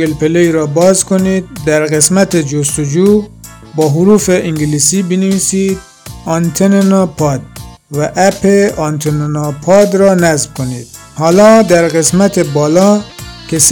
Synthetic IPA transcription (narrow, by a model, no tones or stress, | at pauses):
elpeleɾɔːbɔzkonid̪̚ːæɾɣesmæt̪ed͡ʒost̪ud͡ʒu | bɒːɦuɾuːfeʔiŋɡilisibinevisid̪̚ | ɑnt̪ʰenenɑpʰɑd̪̚ | væʔæpeɑnt̪ʰennɑpʰɑd̪ɾɔnæzbkonid̪̥ | hɑːlɔd̪æɾɣesmæt̪ʰebɔːlɔkes